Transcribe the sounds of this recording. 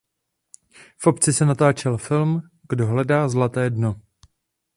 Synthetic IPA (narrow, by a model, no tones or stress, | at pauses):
fʔo̞pt͡sɪsɛnat̪aːt͡ʃɛlfɪlm | ɡdo̞ɦlɛdaːzlat̪ɛːdno